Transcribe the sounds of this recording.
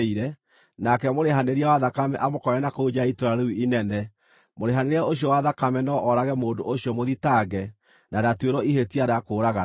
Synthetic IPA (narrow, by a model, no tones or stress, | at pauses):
iɾɛ | nakɛmoɾeɦaneɾiawaðakamɛ̰ʔamokɔɾɛnakoud͡ʑaitoɾaɾeiinɛnɛ | moɾeɦaneɾiaoɕ̬iɔwaðakamɛnɔʔɔɾaɣɛmoːndoʔoɕjɔmoðitaɣɛ | nadatweɾɔihetiaɾakoːɾaɣa